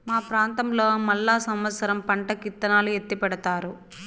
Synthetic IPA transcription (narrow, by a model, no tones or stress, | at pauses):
maːpɾaːnt̪ɐmlo̞ːmɐlːaːsɐmʋɐt̪sɐɾɐmpɐɳʈɐkit̪ːɐnaːluet̪ːipɛɽɐt̪aːɾu